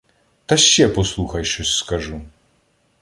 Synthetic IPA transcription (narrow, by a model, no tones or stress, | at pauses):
t̪ɐʃːɛpɔslˠuxɐjʃt͡ʃɔsʲskɐʐu